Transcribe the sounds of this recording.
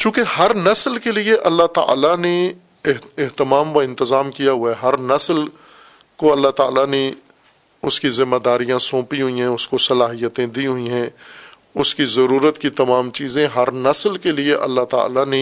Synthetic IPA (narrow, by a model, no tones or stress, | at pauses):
t͡ʃũːkehɐɾnɐslkelieʔɐlːaɦt̪a̰ːlane | ɪɦɪɦt̪ɪmaːmʋaɪ̃nt̪ɪzaːmkijaɦʊaɦɐɾnɐsl | koɐlːaɦt̪a̰ːlane | ʊskizɪmːad̪aːɾijãsõːpiɦʊiɦɛ̃ʊskosɐlaːɦijət̪ẽd̪iɦʊĩɦɛ̃ | ʊskizɐɾuːɾət̪kit̪ɐmaːmt͡ʃiːzẽɦɐɾnɐslkelieʔɐ̰lːaɦt̪a̰ːlane